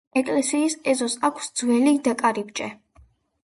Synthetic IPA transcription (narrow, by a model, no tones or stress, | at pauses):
ɛkʼlɛsiːsɛzɔsakʷʰsd̪z̥wɛlid̪akʼaɾibd͡ʒʼɛ